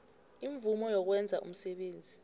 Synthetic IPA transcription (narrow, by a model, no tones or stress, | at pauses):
iɱvumɔjɔk̬wɛnd͡zʱaʔṵm̩sɛɓeːnd͡zʱi